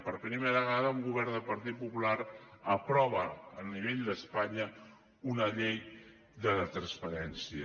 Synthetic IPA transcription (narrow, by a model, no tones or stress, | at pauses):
pəɾpɾimeɾaɣaðəuŋɡuβɛɾnd̪əpəɾt̪it̪̚pupulaɾəpɾɔβ̞əːniβ̞eʎd̪əspaɲə | unəʎej | ðəət̪ɾənspəɾɛnsiə